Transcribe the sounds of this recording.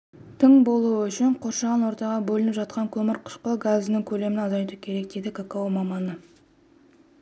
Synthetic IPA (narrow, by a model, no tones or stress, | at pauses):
t̪ʰəŋbo̞lˠuəʏʃɪɴqʰo̞ɾʃɑʁɑnwo̞ɾt̪ɑʁɑbɵlɪnɪpʒɑt̪̚qɑŋkʲʰɵmɪɾqʰʊ̥ʃqəɡaznɪŋkʲʰɵle̞mɪnɑzɑjt̪ukʲʰe̞ɾe̞k̚d̪e̞d̪ɪkʰakaumɑmɑnə